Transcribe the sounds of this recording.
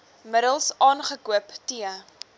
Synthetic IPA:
mədəlˠsʔɑːnχəkuəptiə

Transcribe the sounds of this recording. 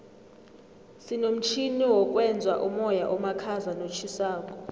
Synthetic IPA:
sinom̩t͡ʃʰiniwɔk̬ʼwɛnd͡zʱwaʔumɔjaʔɔmakʰazanot͡ʃʰisaːk̬ʼɔ̥

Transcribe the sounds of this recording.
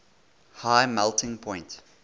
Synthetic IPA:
haɪmɛlˠtɪ̃ŋpʰɔ̃ɪ̃nt

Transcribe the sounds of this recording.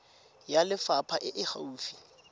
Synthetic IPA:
jalɪfapʰaʔɪʔɪχa̰uːfi̥

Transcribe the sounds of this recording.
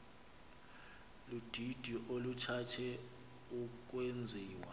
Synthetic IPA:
lud̥ʱid̥ʱiʔolutʰatʰɛ | uk̬ʼwend͡zʱiːwa

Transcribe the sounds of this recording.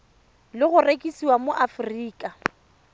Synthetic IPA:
lɪɣʊrekʼisiwamoʔafʊriːkʼa

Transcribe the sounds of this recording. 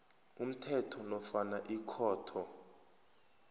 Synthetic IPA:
um̩tʰɛtʰɔnɔfanaʔikʰɔːtʰɔ

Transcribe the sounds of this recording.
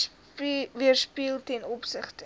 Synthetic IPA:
viərspiəlˠtɛnɔpsəχtə

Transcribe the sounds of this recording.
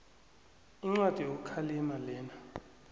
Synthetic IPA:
iŋ͡ǀwad̥ʼʱijok̬ukʰaliɛmalɛːna

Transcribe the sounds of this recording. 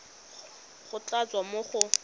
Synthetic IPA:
χʊt͡ɬat͡sʼwamoχʊ

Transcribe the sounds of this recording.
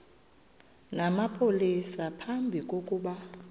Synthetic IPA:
namapʰolisapʰambʱikʼokʼuːɓa

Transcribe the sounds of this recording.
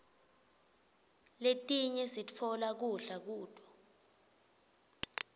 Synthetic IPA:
letʼiɲɛsit͡fʰɔlak̬uɬak̬uːd̥ʱʼɔ

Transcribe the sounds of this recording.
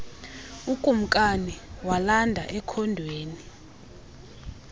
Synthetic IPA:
ukʼum̩kʼaniwalandʱaʔɛkʰɔndʱweːni

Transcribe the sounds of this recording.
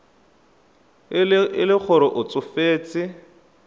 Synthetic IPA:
ɪlɪk͡xʰʊɾʊʔʊt͡sʼʊfeːt͡sɪ

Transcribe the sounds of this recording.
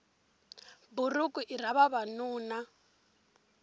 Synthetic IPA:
buɾukʼuʔiɾ̤aβaβanuːna

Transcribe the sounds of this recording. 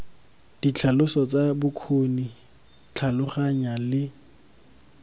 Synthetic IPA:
d̥it͡ɬʰalʊsɔt͡sabʊkʰoni | t͡ɬʰalʊχaɲalɪ

